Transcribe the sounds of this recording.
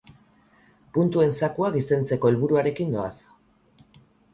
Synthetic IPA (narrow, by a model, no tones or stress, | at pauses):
punt̪ue̞nsakuaɡise̞nt͡se̞ko̞elβuɾuaɾe̞kind̪o̞a̰s